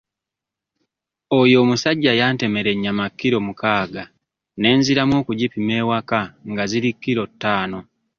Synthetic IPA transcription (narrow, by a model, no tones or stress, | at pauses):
ojo̞ːmusaɟːajaːnte̞me̞ɾe̞ɲːamakːiɾo̞ːmukaːɡa | ne̞ːnziɾamwo̞ːkuɟipime̞ːwakaŋɡazilikːiɾo̞tːaːno̞